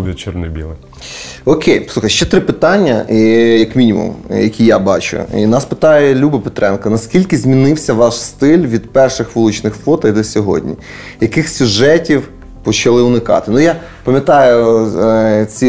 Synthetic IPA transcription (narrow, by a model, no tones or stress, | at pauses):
ʋʲɛt͡ʃɪrnɪbʲḭlˠɐ | ɔkʲʰejsuxɐjʃt͡ʃɛt̪ɾɪpɪt̪ɑnʲːɐijɐkmʲinʲimṵmjɐkʲʰijabɑt͡ʃʊ̰ḭnɑspɪt̪ɑjɛlʲubɪpe̥t̪ɾɛnkɐnɐskʲilʲkɪzʲmʲinɪwsʲɐʋɑʃst̪ɪlʲʋʲid̪pɛrʃɪxʋʊlˠut͡ʃnɪxfˠɔt̪ɐd̪ɔsʲɔɦɔ̰dʲnʲḭ | jɐkɪxsʲʊʒɛtʲiw | pɔt͡ʃɐlˠɪʊnɪkɑ̰t̪ɪnʊja | pɐmʲjɐt̪ɑjʊ | t͡sʲi